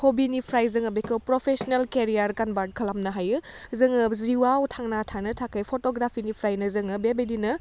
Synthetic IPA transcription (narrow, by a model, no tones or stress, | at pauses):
kʰobinipʰɾajzɯŋɐbekʰɯwpɾopʰesnelkeɾijaɾkanbat̚kʰɐlamnɐɦajɯzɯŋɯziwawtʰaŋnatʰanɐtʰakʰajpʰotoɡɾapʰinipʰɾajnɐzɯŋɯbebedinɐ